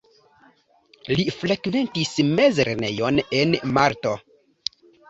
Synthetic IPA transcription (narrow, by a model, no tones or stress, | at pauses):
lifɾekve̞ntisme̞zɾene̞̰jo̞nenmaɾto̞